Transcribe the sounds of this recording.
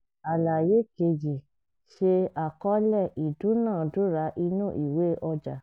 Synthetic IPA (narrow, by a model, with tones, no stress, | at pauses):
a˨la˨je˨˦ke˧d͡ʒi˨ | ʃe˧a˨kɔ˦lɛ˦˨i˨dũ˨˦nãː˦˨du˦ɾa˨˧˦ʔi˧nũ˦ʔi˦˨we˨˦ʔɔ˧d͡ʒa˨